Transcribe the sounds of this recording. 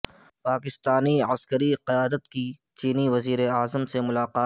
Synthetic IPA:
paːkɪst̪aːniɐskəɾiqɪjaːd̪ət̪ki | t͡ʃiːniʋɐziːɾeaːzəmsemʊlaːqaː

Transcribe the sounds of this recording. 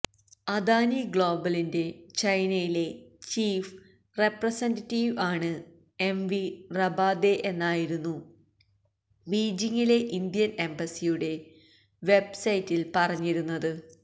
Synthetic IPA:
ɐd̪aːniɡɭo̞ːbɐlinde̞t͡ɕɐjnɐjile̞t͡ɕiːf | re̞prɐsɐndɐtːiːʋaːɳɨ | e̞mʋirɐbaːd̪e̞ʔenːaːjiɾunːu | biːd͡ʑiŋːile̞ʔind̪ijɐne̞mbɐsijuɽe̞ | ʋe̞bsɐjitːilpɐrɐɲːiɾunːɐðɨ

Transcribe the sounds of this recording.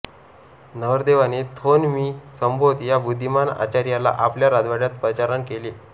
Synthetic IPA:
nəʋəɾd̪eʋanet̪ʰonmiːsəmbʱot̪jabud̪ʱːimana̰t͡ɕaɾjala̰ʔapljaɾad̪ʋaɽjat̪pɾət͡ɕaɾənkele

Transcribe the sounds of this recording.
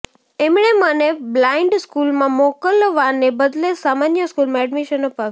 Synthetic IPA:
emɽeməneblaiɳɖskulmãmɔkəlʋaɾnebəd̪lesamanjəskulmãɛɖmiʃənopaʋ

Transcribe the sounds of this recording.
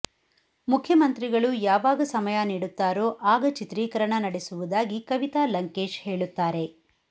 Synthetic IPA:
mukʰːjɐmɐnt̪ɾiɡɐɭujaːʋaːɡɐsɐmɐjɐniːɽut̪ːaːɾoːʔaːɡɐt͡ʃit̪ɾiːkɐɾɐɳɐnɐɽesuʋud̪aːɡikɐʋit̪aːlɐŋke̞ːʃhe̞ːɭut̪ːaːɾe̞

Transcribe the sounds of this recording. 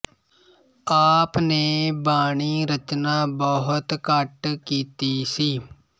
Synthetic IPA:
aːpneːbaːɳiːɾət͡ʃnaːbɔɦʊt̪kəʈkiːt̪iːsiː

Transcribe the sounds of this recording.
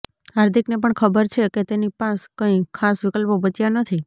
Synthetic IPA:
ɦaɾt̪ʰiknepəɳkʰəbəɾt͡ʃʰeket̪enipãskə̃ĩkʰːasʋɪkəlpobət͡ʃjanət̪ʰi

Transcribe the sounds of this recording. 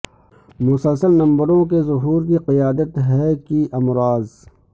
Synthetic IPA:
mʊsəlsəlnɐ̃mbəɾõkezʊɦuːɾkiqɪjaːd̪ət̪ɦɛkiʔɐmɾaːz

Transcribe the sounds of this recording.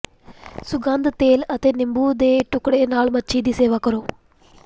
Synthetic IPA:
suɡaːnd̪t̪eːlɐt̪enimbuːd̪eːʈukɽeːnaːɭmɐt͡ʃːiːd̪iseːʋakɐɾoː

